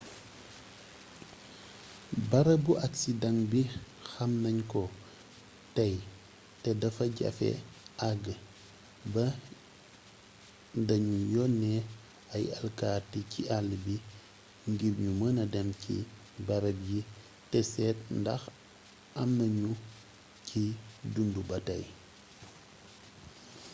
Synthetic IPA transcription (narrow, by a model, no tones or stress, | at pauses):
bɐɾɐbuʔɐksidɐŋbi | xɐmnɐɲkɔ | tɐj | tɛdɐfɐɟɐ̰fɛ̰ | ɐɡ | bɐ | dɐɲujɔnːɛ | ɐjɐ̰lkaːrticiʔalːbi | ŋɡiɾɲumənɐdɛmcḭ | bɐɾɐbji | tɛsɛːt̚ndɐx | ɐmnɐɲu | cʰidundubɐtɐj